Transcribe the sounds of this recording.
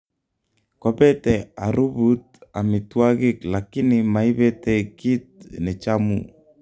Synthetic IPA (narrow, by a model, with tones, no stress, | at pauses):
kɔ˨pɛ˦tɛ˨a˨ɾu˦but̪̚ | a˨mi˨twa˦ɡɪ˦klaki˦nɪmai˦bɛ˦tɛ˨ki˦t̪̚nɛ˨t͡ʃamṵ˨